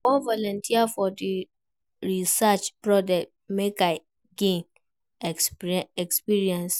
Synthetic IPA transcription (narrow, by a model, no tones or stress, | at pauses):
ɔ̃vɔlɔ̃ntʰiafɔdi | ɹisat͡ʃpɹɔd͡ʒɛk̚t̚meka | ɡẽn | ɛkspiɹiɛ̃ns